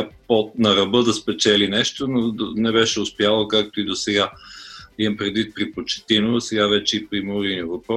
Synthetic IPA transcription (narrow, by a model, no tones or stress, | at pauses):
pɔt̪̚nɐɾɐbɤd̪ɐspɛt͡ʃɛlinɛʃt̪ononɛbɛʃɛʊspjalˠəkak̚t̪oid̪osɛɡa | iɐmpɾɛd̪vit̪̚pɾipot͡ʃɛ̥t̪inosɛɡavɛt͡ʃɛipɾimoɾiniəvɐpɾɔ